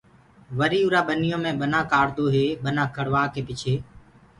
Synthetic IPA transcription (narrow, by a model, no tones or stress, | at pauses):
ʋəɾiːʊːɾaːɓənɪjõːmẽːɓənãːkaːɾd̪oːɦeːɓənãːkʰəɽʋaːkeːpɪt͡ʃʰeː